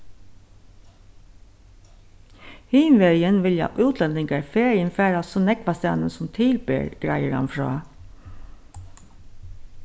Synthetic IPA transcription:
hiːnʋeːɾjənʋɪljɑ̰ʔʉːt̪ʰlɛnd̪ɪŋkɑɹfeːɹjənfæːɾasʊnɛkbɑsɑ̰ːnənsʊmt̪ʰɪlbḛːɹɡ̥ɾæɪəɾɑ̰nfɹɑ̰ː

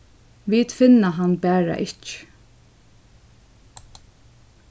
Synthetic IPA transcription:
ʋiːt̪fɪnːaɦanbæːɹa̰ʔɪt͡ʃ

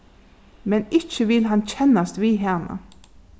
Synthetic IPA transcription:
mɛnɪçəʋɪlɦɑnc͡çɛnɑst̪ʋiːɦeːnə̰

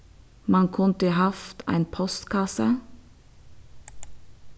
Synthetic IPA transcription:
mɑnkʰʊnt̪əihɑft̪ʰæ̰ɪnpʰɔst̪kʰɑsə

